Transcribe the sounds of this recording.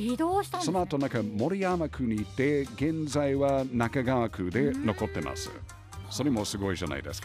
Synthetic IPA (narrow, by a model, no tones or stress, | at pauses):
id̪oːɕi̥t̪so̞noat̪o̞nãkamo̞ɾʲiamakʰɯ̟ɲ̟iːt̪ːe̞ɡẽ̞nzaiβanakaɡaːkʰɯ̟d̪e̞no̞ko̞t̪ːe̞mʔa̰sɨ̰ | so̞ɾemosɨɡo̞iʑa̰na̰id̪e̞ska